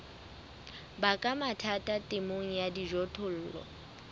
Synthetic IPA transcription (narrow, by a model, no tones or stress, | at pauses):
bakʼamatʰatʼatʼemoŋ̩jadiʒɔtʰʼʊl̩ːlɔ̰